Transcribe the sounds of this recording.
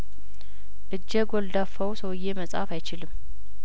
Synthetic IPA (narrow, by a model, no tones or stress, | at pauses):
ʔɨd͡ʒːɛɡold̪afəwsəwɨjːeməsʼa̰fajt͡ʃɪlɨmː